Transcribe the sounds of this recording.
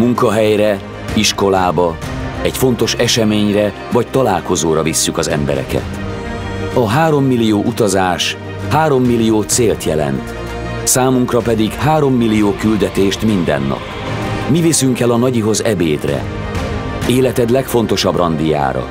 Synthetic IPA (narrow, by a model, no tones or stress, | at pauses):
muŋkɒɦɛjrɛ | iʃko̞laːbɒɛcfo̞nt̪o̞ʃɛʃɛmeːɲrɛ | vɒct̪ɒlaːlko̞zoːɾɒvisːykɒzɛmbɛ̰ɾɛ̰kɛ̰t̪ | ɒɦaːɾo̞mːilːijoːʔut̪ɒzaːʃ | haːɾo̞mːilːijoːt̪seːlt̪jɛlɛ̰nt̪ | saːmuŋkrɒpɛd̪iɡhaːɾo̞mːilːijoːkyld̪ɛt̪eːʃt̪mind̪ɛ̰nːɒ̰p | mivisyŋkɛlɒnɒɟiɦo̞zɛbeːd̪rɛ̰ | eːlɛt̪ɛd̪lɛkfo̞nt̪o̞ʃɒbrɒnd̪ija̰ːɾɒ̰